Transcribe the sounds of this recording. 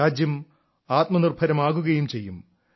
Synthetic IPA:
aːd͡ʑjɐm | aːt̪mɐnirbʱɐɾɐmaːɣuɣɐjumt͡ɕe̞jːum

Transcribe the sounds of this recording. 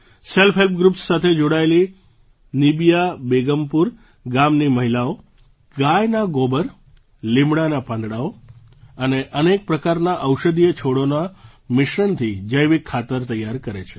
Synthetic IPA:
selfʰɦelp̚ɡɾupsːat̪ʰed͡ʒoɽaeli | nibijabeɡəmpuɾ | ɡamniməɦilao | ɡajnaɡobəɾ | limɽanapãnd̪ɽao | əneʔənek̚pɾəkaɾnaʔəwʃəd̪ijət͡ʃʰoɽona | mɪʃɾəɳt̪ʰid͡ʒəjʋikʰːat̪əɾt̪əjːaɾkəɾet͡ʃʰe̥

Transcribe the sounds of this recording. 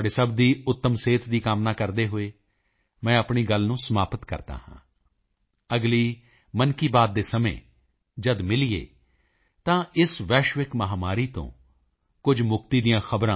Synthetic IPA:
ɖeːsəbd̪iːʊt̪ːəmseːt̪ʰd̪iːkaːmnaːkəɾd̪eːɦoeː | mɛ̃ːəpɳiːɡəlnũːsəmaːpət̪kə̰ɾt̪a̰ːhã̰ː | əɡliː | mənkiːbaːd̪̚ːeːsəmḛ̃ː | d͡ʒəd̪mɪliḛː | t̪ãːɪsʋɛːʃʋɪkməɦaːmaːɾiːt̪õ̰ː | kʊd͡ʒmʊkt̪iːd̪ijãːxʰəbɾãː

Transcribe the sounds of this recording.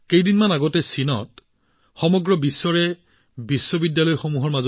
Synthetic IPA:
kejdinmanaɡɔtɛsinɔ̰t | xɔmɔɡɹɔbisːɔɹɛ | bisːɔbidjalɔjxomuɦɔɹmazɔ

